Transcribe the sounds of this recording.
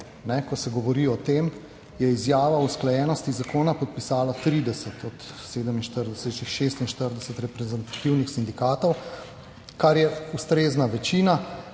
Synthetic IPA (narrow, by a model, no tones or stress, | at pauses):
nɛkɔsɛɡɔʋɔɾiɔt̪em | jɛizjaːʋausklajɛːnɔst̪izakoːnapɔt̪̚pisaːlat̪ɾid̪ɛsɛt̪ʰɔt̪seːd̪əminʃt̪əɾd̪ɛsɛʃixʃeːst̪inʃt̪əɾd̪ɛsɛt̪ɾɛpɾɛzɛnt̪ḁt̪iwnixsind̪ikaːt̪ɔw | kaɾjɛust̪ɾeːznaʋɛt͡ʃiːna